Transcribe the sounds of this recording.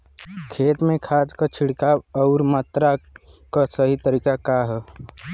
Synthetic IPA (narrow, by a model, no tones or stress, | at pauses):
kʰeːt̪mẽkʰaːskət͡ʃʰɪɽkaɔːɾmat̪ɾakasəɦit̪əɾiːkakaɦɛ